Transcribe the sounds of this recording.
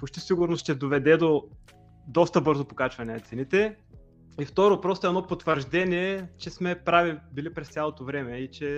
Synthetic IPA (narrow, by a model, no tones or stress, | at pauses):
pot͡ʃt̪isiɡʊɾnosʃt͡ʃt̪ɛd̪ovɛd̪ɛd̪o | d̪ɔst̪əbɤɾzopokat͡ʃvɐnɛnɐt̪sɛnit̪ɛ | ift̪ɔɾopɾɔst̪oɛdnɔpot̪vəɾʒd̪ɛniɛt͡ʃɛsmɛpɾavibilipɾɛst̪sʲalˠot̪ovɾɛmɛit͡ʃɛ